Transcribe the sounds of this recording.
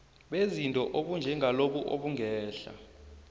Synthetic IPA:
ɓezintʼɔʔoɓund͡ʒʱɛŋʱaloɓuʔoɓuŋɛːɬa̰

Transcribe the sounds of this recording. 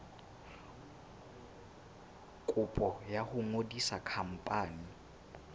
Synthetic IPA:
kʼʊpʼɔjahʊŋodisakʰam̩pʼaːni

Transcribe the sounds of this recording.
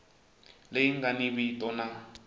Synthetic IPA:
leiŋɡaniβitʼɔna

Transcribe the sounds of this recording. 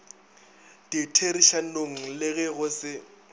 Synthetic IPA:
titʰeɾiʃanoŋ̩lɪɣɛɣʊsɪ

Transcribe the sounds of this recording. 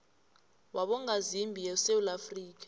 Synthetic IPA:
waɓɔŋazimbʱijɛsewulafriːk̬ḁ

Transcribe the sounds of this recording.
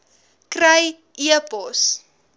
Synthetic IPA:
krəj | ʔiəpɔs

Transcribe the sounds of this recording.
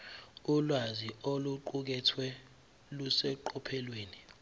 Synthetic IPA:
ulwazioluǃuk̬ɛtʰwɛ | lusɛǃɔpʰɛlweːni

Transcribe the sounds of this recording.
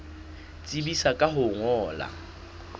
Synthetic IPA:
t͡sʼibisakʼaɦʊŋɔːla̰

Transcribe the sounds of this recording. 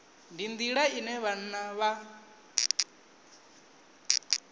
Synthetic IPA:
ndind̪iɺainɛβan̩naβa

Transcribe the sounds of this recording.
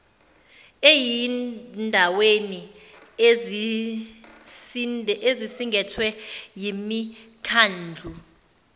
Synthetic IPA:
ejindʱaweni | sezisiŋɡʱɛtʰwɛjimi | kʰaːnd͡ɮʱu

